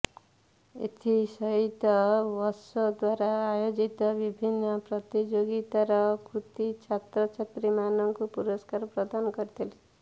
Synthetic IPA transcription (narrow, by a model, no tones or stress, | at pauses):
ḛt̪ʰisʌɦit̪ʌwʌsʌd̪waɾaːjod͡zit̪ʌbibʱinːʌprʌt̪id͡ʒoɡit̪aɾʌkrut̪it͡ʃʰat̪rʌt͡ʃʰet̪rimanʌŋkopuɾʌskarprʌd̪anɡʌɾit̪ʰeli